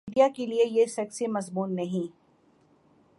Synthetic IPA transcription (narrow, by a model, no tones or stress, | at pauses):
ɖijakeliejesɛːksimɐzbuːnːɐɦĩ